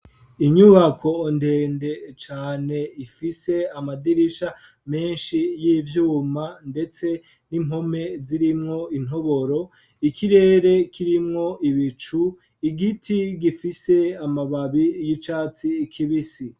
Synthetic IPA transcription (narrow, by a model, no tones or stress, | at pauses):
iɲuβakʰo̞nde̞ːnde̞t͡ʃaːne̞ifise̞amadiɾiʃa | me̞ːnʃijivjuːmande̞t͡se̞ | nimɦo̞me̞ziɾimŋo̞in̥o̞βo̞ɾo̞ | ikʰiɾe̞ːɾe̞kʰiɾimŋo̞ʔiβit͡ʃu | iɡitʰiɡifise̞amaβaβijit͡ʃaːt͡sikʰiβisi